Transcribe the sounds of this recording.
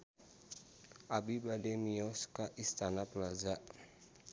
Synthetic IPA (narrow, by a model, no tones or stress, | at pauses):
ʔabibadɛmiɔskaʔist̪anapəlazaʔ